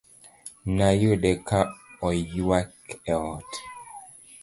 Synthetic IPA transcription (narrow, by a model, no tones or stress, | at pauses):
najoɗɛkʰaɔjiwakɛɔt